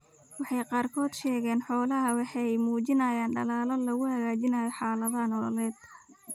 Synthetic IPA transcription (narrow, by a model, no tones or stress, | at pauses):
wɑħɑjqɑːrkʰɔːd̪ʃɛːɣɛːnħɔːlɐɦɐwɑħɑjmuːt͡ʃɪnɐjaːnɖɐlaːlɔlɐɣʊhɐɣaːt͡ʃɪnɐjɔħɑːlɐðaːnɔlɔlɛːd̪